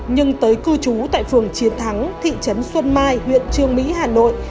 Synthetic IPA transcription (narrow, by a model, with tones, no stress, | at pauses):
ɲɨ˧ŋt̪əː˨˦jkɨ˧t͡ɕu˨˦t̪a̰ː˧˨jfɨ˨˩əŋt͡ɕi˨˦ənt̪ʰa˨˦ŋt̪ʰḭ˧˨t͡ɕə˨˦nswə˧nmaː˧jhwḭ˧˨ənt͡ɕɨ˧əŋmḭ˧˥haː˨˩no̰˧˨jʔ